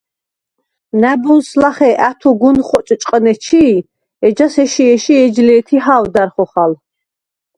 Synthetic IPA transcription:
næbunslaχɛʔæt̪ʰuɡunχɔt͡ʃʼt͡ʃʼqʼnɛt͡ʃʰi | ɛd͡ʒasɛʃiɛʃiɛd͡ʒlɛːt̪ʰiɦawd̪aɾχɔχal

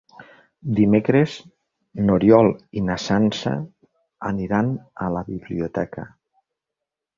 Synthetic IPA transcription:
d̪imekɾez | noɾjɔlˠinasansa̰ | ə̰niɾanəlaβiβliot̪ɛkə̰

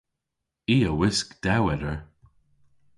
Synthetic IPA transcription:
iːəwɪskd̪̥awɛɾəɹ

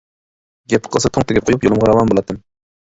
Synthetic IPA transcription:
ɡʲɛpʰːqəlˠsɑt̪ʰoŋt̪ʰɪɡʲɛp̚qʰojupjolˠɨmʁɑɾɑwɑnbolˠɑt̪ɨm

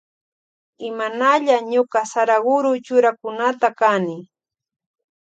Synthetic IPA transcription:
ɪmanaʎaɲʊqɑsaɾaɢʊɾʊt͡ʃʊɾakʊnat̪akanɪ

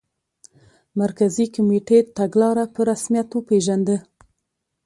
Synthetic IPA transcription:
maɾkazikʊmeʈet̪aɡlɑɾapəɾasmijat̪opeʒand̪ə

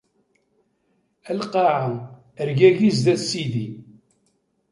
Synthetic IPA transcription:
ælqɑʕa | əɾɡæʝizðæsiði

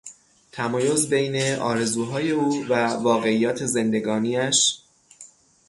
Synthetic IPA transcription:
t̪ʰæmɒːjozbe̞jne̞ʔɒ̰ːɾe̞zuːɦɒːje̞uːvævɒːɣe̞ijːɒːt̪ʰe̞ze̞nd̪e̞ɡɒːniːæʃ

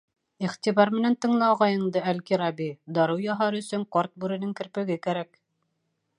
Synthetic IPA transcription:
iχt̪ʲiβɑɾmɘ̆nænt̪ɤ̆ɴlˠɑwʁɑjɤ̆ɴd̪ɤælkiɾɑbid̪ɑɾɤwjɑɦɑɾɵ̆sɵɴqɑɾt̪̚bʉɾɘ̆nɘŋkɘ̆ɾpɘ̆ɡɘkæɾæk

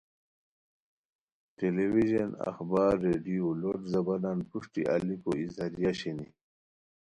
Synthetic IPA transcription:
ʈelewiʑɐnɐ̰xbaːɾːeɖijoloʈzɐbananpuʂʈḭʔa̰likoizaɾijaɕeni

